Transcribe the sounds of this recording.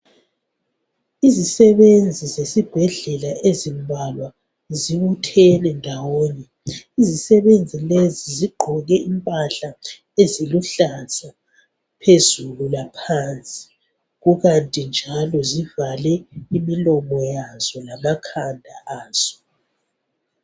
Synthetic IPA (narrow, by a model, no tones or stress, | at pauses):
izisɛβend͡zʱizesib̥ʱɛɮɛlaezimbʱalwa | ziβutʰɛnɛndʱawoːni | izisɛβend͡zʱileziziɡ͡ǃʱɔɣɛimpʼaɬa | eziluɬasʰʼa | pʰezululapʰant͡sʼi̥ | ɣuɣantʼind͡ʒʱalɔzivalɛimilɔmɔjaz̥ɔlamakʰandʱaʔaːz̥ɔ̥